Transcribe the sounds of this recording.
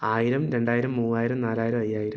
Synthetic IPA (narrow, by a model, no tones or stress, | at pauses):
aːjiɾɐmɾe̞ɳɖaːjiɾɐmːuːaːjiɾɐmnaːlaːjiɾɐmɐjːaːjiɾɐm